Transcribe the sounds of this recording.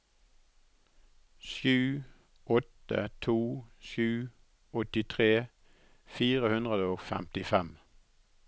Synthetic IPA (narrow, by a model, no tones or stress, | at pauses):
ʃjʉː | ʔɔt̪ə̰t̪ʰuːʃjʉː | ɔt̪ɪt̪ʰʁeː | fiːʁəhʉnd̪ʁəd̪əoːfæ̰mt̪ɪfɛm